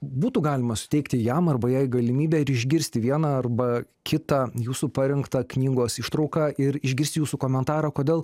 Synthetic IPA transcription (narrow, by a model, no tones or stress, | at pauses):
buːt̪ʊɡɑːlʲɪmɐsʊ̥t̪ʲɛɪkt̪ʲɪjɛmɐrbɐjæɪɡɐlʲɪmʲiːbʲæɪɾɪʒʲɡʲɪɾʲsʲt̪ʲɪʋʲiɛnɑɐrbɐ | kʲɪt̪ɑjuːsupɐɾʲɛŋkt̪ɑknʲiːɡoːsɪʃt̪ɾɐʊkɑʔɪɾɪʒʲɡʲɪɾʲst̪ɪjuːsukoːmʲɛnt̪ɑːɾɐːkoːdʲeːlˠ